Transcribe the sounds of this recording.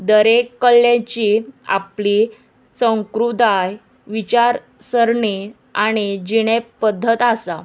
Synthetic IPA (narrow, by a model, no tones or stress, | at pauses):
d̪əɾekːəljãt͡ɕia̰pli | sə̃ŋkɾud̪aj | ʋit͡ɕaɾ | səɾɳi | aɽ̃id͡ʑiɽ̃epːəd̪ʱːət̪asa